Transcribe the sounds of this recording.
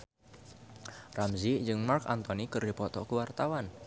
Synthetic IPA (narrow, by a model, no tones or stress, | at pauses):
ramzid͡ʒɨŋmarkant̪ɔnikɨrdi̤pɔt̪ɔkəwart̪awan